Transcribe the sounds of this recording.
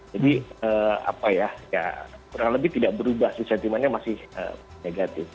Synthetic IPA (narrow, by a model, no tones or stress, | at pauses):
d͡ʒadiəːa̰pajaja̰kuɾaŋləbɪht̪idaʔbəɾubahsisant̪imanɲamasɪhə̰ːneɡat̪ɪf